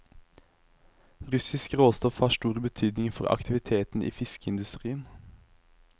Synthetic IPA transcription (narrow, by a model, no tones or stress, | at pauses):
ʁʉsɪskʁoːst̪ɔfhɑːʃʈuːʁbət̪ʰyːd̪nɪŋfɔʁɑ̰kt̪ʰɪʋɪt̪ʰeːt̪n̩ʔḭːfɪskəɪnd̪ʉst̪ʁiːən